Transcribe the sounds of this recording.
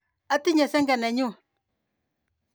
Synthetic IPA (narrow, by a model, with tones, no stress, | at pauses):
a˦ti˦ɲɛ˨sɛ˦ŋɡɛ˨nɛ˨ɲu˦˨